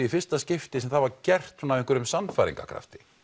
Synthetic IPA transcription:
ifɪr̥st̪ascɪft̪ɪsɛmθavaɾcɛr̥t̪hunavɪŋkʏɾʏmsanːfajɾḭŋka̰kʰɾa̰ft̪ɪ̥

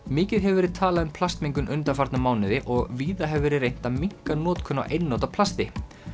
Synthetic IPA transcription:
mɪːcɪðɦɛvɛɾɪðt̪ʰaːlaðʏmpʰlast̪miŋkʏnʔʏnt̪afaɾt̪namaːwnɪðɪʔɔɣviːðaɦɛvvɛːɾɪrejn̥t̪amiŋ̥kanɔːt̪kʰœnːa̰ʔejnːoːt̪apʰl̥ast̪ɪ

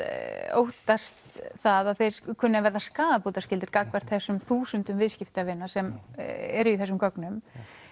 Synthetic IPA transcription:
o̰wht̪ast̪θaðaðθejɾkʰʏnːavɛɾðaskaːðapot̪ascɪlt̪ɪɾkakvɛɾ̥t̪θɛsːʏmθuːsʏnt̪ʏmvɪðscɪft̪avɪnːasɛmɛɾʏiθɛs̬ːʏmkœknʏm

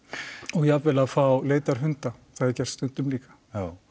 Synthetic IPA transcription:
ɔɣjɛavvɛlaðfawleːjt̪aɾ̥ɦʏnt̪aθaðɛɾcɛr̥sst̪ʏnt̪ʏmliːkḁ

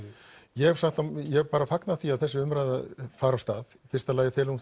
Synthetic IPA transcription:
jɛɛv̥saxt̪ajɛpaːɾafaknaðθiaðθɛsːɪʏmɾajða̰ðfaːɾast̪aːðfɪrst̪alaːjɪfɛːlun

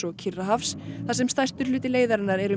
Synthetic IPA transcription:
ɔcʰɪrːaɦafsθasɛmst̪ajst̪ʏɾ̥lʏːt̪ɪleːjðaɾɪnːaɾɛɾʏ

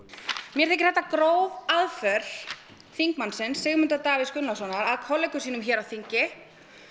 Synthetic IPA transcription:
mjɛɾ̥θɛhc̬ɪ̥ɾ̥θɛt̪ːakɾoːwaðfœɾ̥ | θiŋkmansɪnsːɪɣmʏnt̪at̪aːvɪskʏnasɔnaɾaðkʰɔlɛkʏsiːnʏmçɛːɾawθiɲcɪ

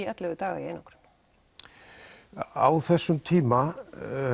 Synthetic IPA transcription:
ɛt̪lɛvʏt̪aːɣa̰iḛjnɔwkɾ̥ | a̰wθɛsːʏmt̪ʰiːma

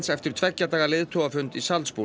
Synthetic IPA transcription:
nsɛft̪ɪɾ̥t̪ʰvɛcːat̪aːɣalɪðt̪ʰowafʏnt̪isalspuː

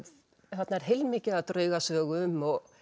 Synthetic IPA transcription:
θat̪naɛɾ̥ɦejlmɪːcɪat̪ɾœːɥɣasœːɣʏʏmːɔɣ

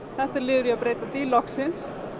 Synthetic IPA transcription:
θɛht̪aɾlɪːðʏɾʏapɾeːjt̪at̪ilɔksɪns

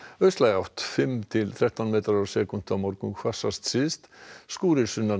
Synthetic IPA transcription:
œslajawt̪fɪmt̪ʰɪlθʰɾɛht̪ɔnmeːt̪aɾɔsɛkʊnt̪amɔɾkʉnkʰvasast̪sɪst̪skuːɾɪsʏna

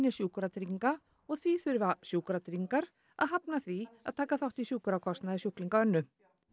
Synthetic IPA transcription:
njasjuːkɾat̪ɾiŋka | ɔɣθviθʏɾvasjuːkɾat̪ɾiŋkaɾ | a̰ðɦapnaθvia̰ðt̪ʰaːkaθawht̪isjuːkʏɾakʰɔst̪naðɪsjuhkliŋkaœnːʏ

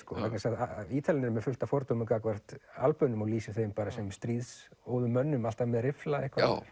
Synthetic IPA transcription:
skɔvɛknasaðaiːt̪ʰalɪnɪɾmɛðfʏlt̪afɔɾt̪owmɪŋkakvar̥t̪a̰lpʏnːʏmaɣliːsɪθejmpaːɾasɛmst̪ɾiːðsoːwðʏmːœnːʏmalt̪amɛðɾɪflaɛhkvḁ

